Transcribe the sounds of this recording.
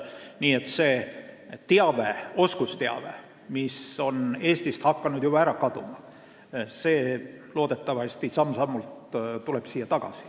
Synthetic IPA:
niːet̪ːse̞ː | t̪eɑveo̞skust̪eɑ̰vḛ | miso̞ne̞ːst̪ist̪hɑkːɑnud̪̥jub̥ɑæɾɑkɑd̪umɑ | se̞ː | loːd̪et̪ːˑɑvɑsʲt̪isɑmsɑmːult̪t̪ule̞b̥siːjːɑt̪ɑɡ̥ɑ̰si̥

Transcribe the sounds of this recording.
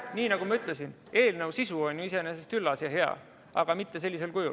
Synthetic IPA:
niːnɑɡumɑyt̪ˑle̞sin | e̞ːlnəwsisuo̞nʲjuis̬e̞nese̞st̪kylːɑsjɑɦe̞ɑ̰ | ɑɡ̥ɑmit̪ːe̞s̬e̞lʲːise̞lkujṵl

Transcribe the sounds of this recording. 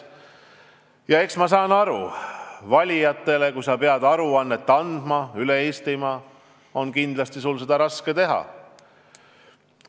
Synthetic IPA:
jɑe̞ksmɑsɑːnɑɾṵvɑlʲijɑt̪ˑːe̞le̞kujsɑpe̞ɑd̪̥ɑɾuɑnːet̪ːɑnd̪̥mɑyleest̪imɑ | o̞nkind̪lɑst̪isulse̞d̪̥ɑɾɑske̞t̪e̞ɦɑ̰

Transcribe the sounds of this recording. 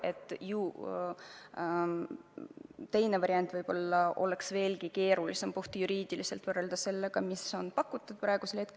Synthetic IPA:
e̞t̪ːˑju | t̪e̞jne̞vɑɾjɑnt̪ːˑvɤjb̥o̞lːɑo̞̰le̞ksve̞ːlɡike̞ːɾulise̞mpoht̪ijuɾiːd̪̥ilise̞lt̪vɤrːe̞ld̪̥ɑse̞lːe̞ɡ̥ɑmiso̞npɑkːˑut̪ːˑud̪̥̚pɾɑˑeɡ̥uselhe̞t̪ke

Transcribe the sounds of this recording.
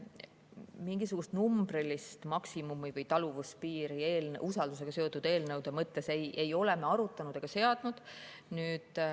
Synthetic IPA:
miŋɡisuɡ̥ust̪numbrilist̪mɑksimumivɤjt̪ɑluvuspiːɾie̞ːlusɑld̪̥use̞ɡ̥ɑse̞ot̪ːˑud̪̥e̞ːlnɤwd̪̥emɤt̪ːe̞sejʔe̞jo̞le̞me̞ɑɾut̪ːˑɑnud̪̥eɡ̥ɑse̞ɑd̪̥nud̪̥nyːd̪̥

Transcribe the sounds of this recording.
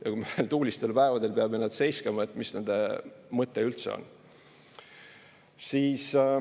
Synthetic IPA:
jɑkumelt̪uːlist̪e̞lpæevɑd̪e̞lpeɑmenæd̪̥se̞jskɑmɑet̪ːˑmisne̞nd̪̥emɤt̪ːˑeylt̪sḛo̰n | siːs

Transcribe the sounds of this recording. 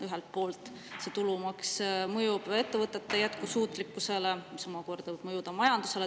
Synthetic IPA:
yɦelt̪̚po̞ːlt̪ˑ | se̞t̪ulumɑksmɤjub̥e̞t̪ːe̞vɤt̪ːˑe̞t̪ˑːejæt̪kusuːt̪ˑlikːˑuse̞le̞misomɑko̞rd̪̥ɑvɤb̥mɤjud̪̥ɑmɑjɑnd̪̥use̞le̞

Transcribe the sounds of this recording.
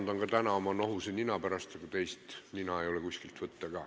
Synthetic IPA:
nd̪onkɑt̪ænɑomɑnoɦusenʲinɑpæɾɑst̪ɑɡ̥ut̪e̞jst̪nʲinɑejo̞lekusʲkilt̪vɤt̪ˑːɑkɑː

